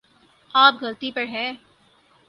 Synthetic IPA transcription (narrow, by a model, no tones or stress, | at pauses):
aːpɡɐlt̪ipɐɾɦɛ̃ː